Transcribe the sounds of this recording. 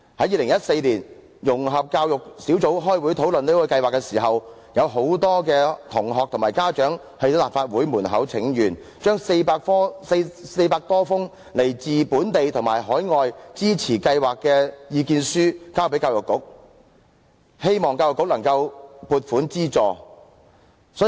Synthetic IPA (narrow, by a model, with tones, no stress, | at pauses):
hɐ˨˥jiː˨lɪ˨˩ŋjɐ˥t̚se˧jliː˨˩n | jʊ˨˩ŋɦɐ˨p̚kaː˧wjʊ˨k̚si˨˥wt͡so˨˥wɦɔː˥jwu˨˥jt̪ʰo˨˥wlɵ˨neː˥kɔː˧kɐ˧jwaː˨kːɛ˧siː˨˩ɦɐ˨w | jɐ˨˧wɦo˨˥wt̪ɔː˥kɛː˧t̪ʰʊ˨˩ŋɦɔː˨k̚t̪ʰʊ˨˩ŋmaː˨˩jkaː˥t͡ʃœː˨˥ŋ | hɐ˨jo˧˥laː˨p̚faː˧t̚wuː˨˥jmuː˨˩nɦɐ˨˥wt͡sʰɪ˨˥ŋjyː˨˩n | t͡ʃœː˥ŋse˧jpaː˧kfɔː˥sse˧jpaː˧k̚t̪ɔː˥fʊ˥ŋ | le˨˩jt͡siː˨puː˨˥nt̪e˨jt̪ʰʊ˨˩ŋmaː˨˩jɦɔː˨˥jŋɔː˨jt͡siː˥t͡sʰiː˨˩kɐ˧jwaː˨kːɛː˧jiː˨˧kiː˧nsyː˥kaː˥wp̬e˨˥jkaː˧wjʊ˨kːʊ̰˨˥k̚ | he˥jmɔː˨ŋkaː˧wjʊ˨kːʊ˥k̚lɐ˨˩ŋkɐ˧wpuː˨˧t̚fuː˨˥nt͡siː˥t͡sɔː˨ | sɔː˨˥